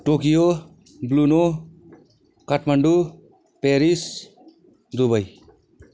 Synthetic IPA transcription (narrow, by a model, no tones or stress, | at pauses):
ʈokijo | bluno | kaʈmaɳɖu | peɾis | d̪ubaj